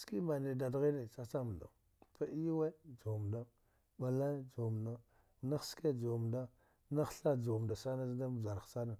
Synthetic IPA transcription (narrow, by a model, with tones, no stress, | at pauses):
ski˦ma˨ne˨da˨dɣi˦ne˨t͡sa˦t͡sa˦m˨da̰˨ | pa˦i˦jwe˦d͡ʒo˨m˨da˦ | ɓa˨la˦d͡ʒo˨mna˦ | na˦xske˦d͡ʒo˨m˨da˦ | na˦xɬa˦d͡ʒo˨m˨da˨sa˦na˦zda˦m˨za˨ɾsa˦na˨